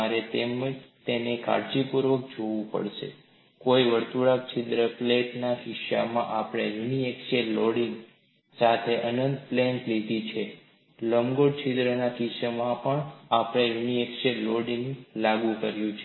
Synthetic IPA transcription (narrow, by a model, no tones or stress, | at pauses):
aɾet̪emt̪eneka̰ɾd͡ʒipuɾʋək̚d͡ʒoʋũpə̰ɭʃḛ | koiʋəɾt̪uɭak̚t͡ʃʰɪd̪ɾəpleʈnaʃɪʃa̰mã̰ʔapɽ̃eɾuniekʃeɾloɽiŋɡ | sat̪ʰeʔənənd̪plɛ̃ntlid̪ʱit͡ʃʰe | ləmɡoɽt͡ʃʰid̪ɾənakiʃəmãpəɳapɽ̃eɾuniekʃeɾloɽiŋɡlaɡũkəɾjũt͡ʃʰe